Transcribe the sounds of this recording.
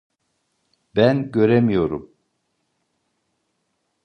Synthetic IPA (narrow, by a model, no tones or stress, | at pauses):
b̥ænɟø̞ɾɛmijo̞ɾum